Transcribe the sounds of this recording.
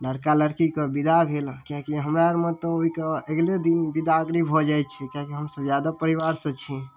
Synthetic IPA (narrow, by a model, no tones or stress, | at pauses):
ləɾkaləɽkikebid̪abʱelkãkiɦəmɾaɾmet̪ɔoikeəɡled̪inbid̪aəɡɾibʱɔd͡ʒajt͡ʃʰɛkãkiɦəmsəbd͡ʒjad̪apəɾiʋaɾsə̃t͡ʃʰi